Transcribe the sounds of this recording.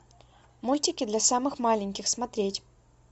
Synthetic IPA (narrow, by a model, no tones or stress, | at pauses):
mulʲtʲɪkʲɪd̪lʲasamɨxmalʲɪnʲkʲɪxsmɐt̪ɾʲetʲ